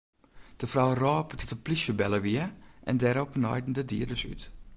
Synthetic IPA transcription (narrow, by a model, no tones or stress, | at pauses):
d̥əfrawrɔːptɪtəplisjəbɛləʋiəʔɛ̰ndɛɾɔpnɔ̰jdn̩dədiədəsy̰t